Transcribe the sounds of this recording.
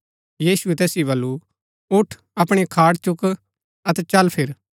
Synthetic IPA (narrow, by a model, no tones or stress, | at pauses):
jiːsuɛt̪ɛːsiβɐlːu | ʊʈʰ | ɐpɽ̃ikʰaːɽt͡ʃʊk | ɐt̪ɛt͡ʃɐlpʰɪɾ